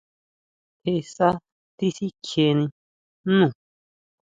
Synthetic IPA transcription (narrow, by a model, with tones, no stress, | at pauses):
he˧˨sa˦ | t̪i˦si˦kʰe˨nĩ˧˦ | ũ˨